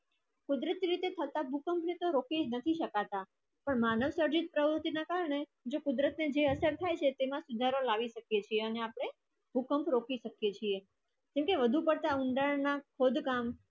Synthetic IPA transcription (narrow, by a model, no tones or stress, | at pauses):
kud̪ɾət̪iɾit̪et̪ʰət̪abʱukəmpnet̪oɾokʰid͡ʒnət̪ʰiʃəkat̪a | pəɳmanəʋsəɾd͡ʒit̪̚pɾəʋɾut̪inakaɾəɳe | d͡ʒokʊd̪ɾət̪ned͡ʒeəsəɾt̪ʰajt͡ʃʰet̪emãsud̪ʱaɾolaʋiʃəkjet͡ʃʰieəneapɽ̃e | bʱukəmpʰɾokʰiʃəkjet͡ʃʰie | d͡ʒɛmkeʋəd̪ʱupəɽt̪aʊɳɖaɭnakʰod̪kam